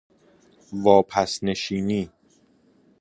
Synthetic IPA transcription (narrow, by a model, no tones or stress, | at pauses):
vɒːpʰæsne̞ʃiːniː